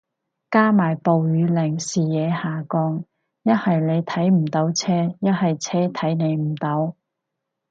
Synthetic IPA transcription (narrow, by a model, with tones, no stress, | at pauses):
kaː˥maː˨˩jpo˨wjyː˨˧lɪ˨˩ŋsiː˨jɛː˨˧haː˨˩kɔː˧ŋ | jɐ˥t̚hɐ˨jne˨˧jt̪ʰɐ˨˥jm̩˨˩t̪o˨˥wt͡sʰɛː˥jɐ˥t̚hɐ˨jt͡sʰɛː˥t̪ʰɐ˨˥jne˨˧jm̩˨˩t̪ɐ˨˥w